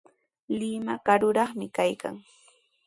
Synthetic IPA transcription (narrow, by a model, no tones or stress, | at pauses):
lɪmakaɾʊɾɑχmɪkajka̰ŋ